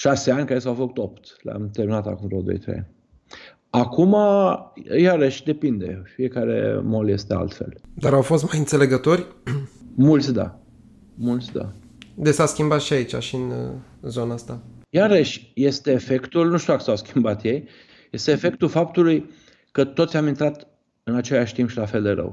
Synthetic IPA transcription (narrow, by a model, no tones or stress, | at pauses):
ʃase̞anʲkajesawfəkut̪o̞pt̪lea̰mt̪eɾminat̪a̰kumd̪ɾod̪o̰jt̪ɾḛa̰nʲ | akuma | jaɾəʃʲd̪e̞pind̪e̞̰fie̞kaɾe̞̰mo̞lje̞st̪e̞a̰lt̪fe̞̰ld̪aɾawfo̞st̪majɨnt̪se̞le̞ɡət̪o̞ɾʲ | mult̪sʲd̪a̰ | mult̪sʲd̪a̰ | d̪esaskʲimbat̪ʃiait͡ʃaʃiɨnzo̞naast̪ajaɾəʃʲje̞st̪e̞ːfe̞kt̪ulnuʃt̪ʲuwakəsawskʲimbat̪je̞j | je̞st̪eːfe̞k̚t̪ulfapt̪uluj | kət̪ot̪sʲamint̪ɾat̪ | ɨnat͡ʃe̞laʃʲt̪impʃilafe̞ld̪e̞ɾə̰w